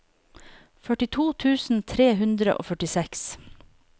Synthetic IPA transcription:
fœʈɪt̪ʰuːt̪ʰʉːsn̩t̪ʰɾeːɦʉnd̪ɾəʔo̰ːfœʈɪsɛks

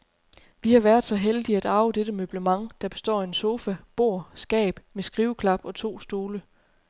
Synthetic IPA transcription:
ʋihɑ̈ʋæɐdˠsɒ̽ɦeld̥iæd̥ɑ̈ʊəd̥eɾ̥əmøb̥ləmɑ̈ŋd̥ɑ̈b̥e̝sd̥ɒ̰ːe̝nso̝ːfæb̥o̝ɐ̰sɡ̥ɛ̰ːb̥mesɡ̥ʁiːʊkʰlɑ̈b̥ɒ̽t͡sʰo̝̰ːsd̥o̝ːlə

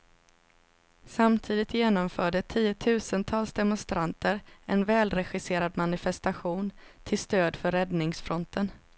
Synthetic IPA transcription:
samt̪ʰiːd̪ɪt̪jeːnɔmfœːɖət̪ʰiːʊt̪ʰʉ̟ːsənt̪ʰɑːlsd̪ɛmɔnst̪ɾʔant̪əɾɛnvɛːlɾɛɧɪseːɾad̪manɪfɛst̪aɧuːnt̪ʰɪlst̪øːd̪fœɾːɛd̪nɪŋsfɾɔnt̪ʰən

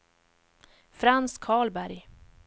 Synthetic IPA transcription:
fɾanskʰɑːɭbæɾj

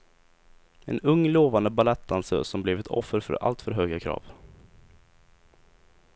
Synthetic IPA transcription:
ɛ̰nɵŋːloːvand̪əbalɛt̪ːansə̰sɔmblɛvɛt̪ʰɔ̰fːəɾfœ̰ɾa̰lt̪fœɾɦøːɡakʰɾɑ̰ːv̥

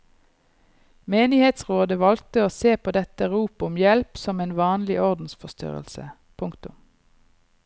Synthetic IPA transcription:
meːnɪheːt̪sʁoːd̪əʋɑl̚t̪əoːseːpʰoːd̪ɛt̪əʁuːpʊmjɛlpsɔmeːnʋɑːnlɪʔɔʁd̪n̩sfɔst̪ʏ̰ʁə̰lsə̰ | pʰʊŋkt̪ʊm

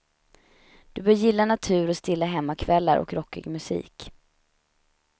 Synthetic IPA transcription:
d̪̥ɵbœːɾjɪlːanat̪ʰʉ̟ːɾɔst̪ɪlːaɦɛmːakʰvɛlːa̰ɾɔ̰kɾɔkːɪ̰ɡmɵsḭːk

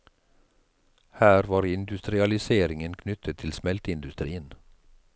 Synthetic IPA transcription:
hæːɾʋɑːɾɪnd̪ʉst̪ɾɪɑlɪseːɾɪŋənkʰnʏt̪ʰət̪ʰɪlsmɛlt̪əɪnd̪ʉst̪ɾḭːən

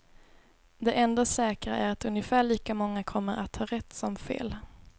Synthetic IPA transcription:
d̪ɛʔɛnd̪osɛːkɾa̰ʔæɾat̪ɵnjəfæːɭiːkamɔŋːakʰɔmːəɾat̪ʰhɑːɾɛt̪ːsɔmfḛːl

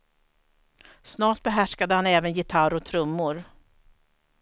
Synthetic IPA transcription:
snɑːʈ̚bɛɦæʂkad̪əhanɛːvənjɪt̪ʰaɾɔt̪ʰɾɵmːʊɾ

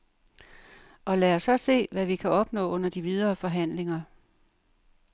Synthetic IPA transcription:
ʔɒ̽læɒsɒ̽se̝̰ːʋæʋikʰæʔɒ̽b̥nɔ̰̽ːɔ̽n̰ɐd̥iʋið̞ˠɐːfɒ̽ɦæn̰le̝ŋɐ

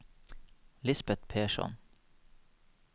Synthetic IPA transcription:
lɪsbɛt̪pʰeːʃɔ̰n

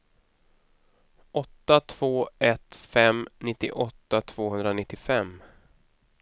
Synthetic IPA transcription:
ʔɔt̪ːat̪ʰv̥oːɛt̪fɛmnɪt̪ːɪ̰ʔɔt̪ːat̪ʰv̥oːhɵnd̪ɾanɪt̪ːɪfɛm

